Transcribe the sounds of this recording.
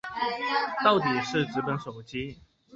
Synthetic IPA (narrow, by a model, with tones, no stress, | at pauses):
t̪ɑ˥˨ʊt̪i˨˩ʂɻ̩˥˩˨ʈ͡ʂɻ̩˧˥pə˨˦nʂo˨˩ʊt͡ɕi˦